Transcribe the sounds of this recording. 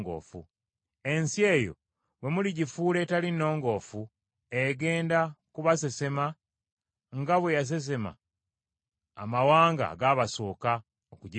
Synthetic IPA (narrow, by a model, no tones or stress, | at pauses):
ɡo̰ːfṵ | e̞nsie̞ːjo̞̰ | we̞muliɟifuːle̞ːtalinːo̞ːŋɡo̞ːfu | eɡe̞ːndakuβas̬e̞se̞ma | ŋɡaβwe̞jas̬e̞s̬e̞ma̰ | mawaːŋɡa̰ɡaːβaso̞ːka | okuɟi